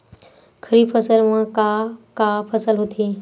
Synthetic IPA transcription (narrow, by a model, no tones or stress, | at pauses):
kʰəɾiːpʰəsəlmə̃kakapʰəsəlɦot̪ʰi